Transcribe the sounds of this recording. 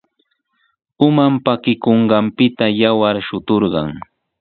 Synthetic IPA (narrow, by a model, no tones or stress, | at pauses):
ʊmampakɪkoɴɢɑmpɪt̪ajawaɾʃʊt̪oɾɢɑ̰ŋ